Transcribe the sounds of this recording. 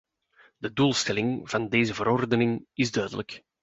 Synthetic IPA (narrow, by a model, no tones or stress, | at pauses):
d̥əduːlˠstɛlɪŋvɑndeːzəvəɾɔrdənɪŋɪzdœɥdələk